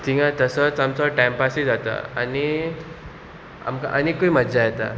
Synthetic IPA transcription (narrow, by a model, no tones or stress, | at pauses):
t̪ĩŋãt̪əsət͡samt͡sɔʈajmpasid͡zat̪a̰a̰ni | a̰mka̰ʔanikoimədd͡zajet̪a̰